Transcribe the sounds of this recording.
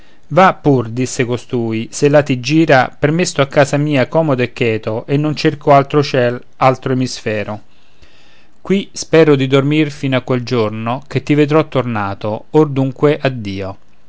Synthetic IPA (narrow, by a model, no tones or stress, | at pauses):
vapːurd̪isːekost̪uːiselːat̪id͡ʒːiːɾapermest̪oakːaːsamiːakɔːmod̪oekːɛːt̪oʔenːont͡ʃerkoalt̪ɾot͡ʃɛl | alt̪ɾoemisfɛːɾo | kwispɛːɾod̪id̪ormirfinoakːweld͡ʒornok̟et̪ːived̪ɾɔt̪ːornaːt̪oord̪uŋkweʔad̪ːiːo